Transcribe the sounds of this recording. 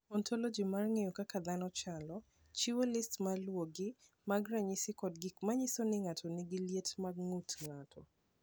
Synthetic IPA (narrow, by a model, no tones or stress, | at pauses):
ɔntʰɔlod͡ʒimarŋejokakad̪anɔt͡ʃalɔ | t͡ʃiwolɪstmalwoɡɪ | maɡɾaɲɪsɪkɔdɡɪmaɲɪsonɪŋatʰonɪɡɪljetmaɡŋutŋatʰɔ